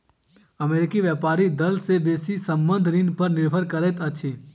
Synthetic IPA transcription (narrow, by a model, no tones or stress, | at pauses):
əmeːɾɪkiʋjɛpaːɾid̪əlsebeːsisə̃mbə̃nd̪ʱɾinpəɾnɪɾbʱəɾkəɾɛt̪ət͡ʃʰi